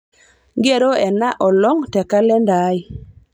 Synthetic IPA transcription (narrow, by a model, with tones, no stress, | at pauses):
ɡe˦˨ɾo˦ɛ˨na˦ʔɔ˨lɔ˦ŋtɛ˨ka˦lɛ˦nda˨˦i˦